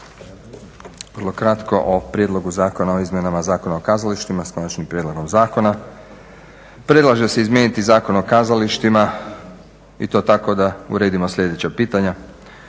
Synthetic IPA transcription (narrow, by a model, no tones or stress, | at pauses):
ʋr̩lˠo̞kɾat̪ko̞ʔopɾjed̪lˠo̞ɡuzaːko̞nao̞izmjenamazaːko̞naokaːzaliʃt̪imasko̞nat͡ʃnimpɾjed̪lo̞ɡo̞mzaːko̞na | pɾe̞dlˠaʒe̞se̞izmje̞nit̪izaːko̞no̞kaːzaliʃt̪ima | it̪o̞ːt̪ako̞d̪aṵɾe̞ːd̪imo̞sʎʲe̞d̪e̞t͡ɕapiːt̪aɲa